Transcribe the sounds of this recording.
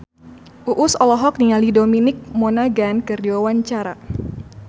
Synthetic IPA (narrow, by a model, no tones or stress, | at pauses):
ʔuʔʊsɔlɔɦɔk̚nialidominɪk̚mɔnaɡankərdiwawaɲt͡ʃaɾa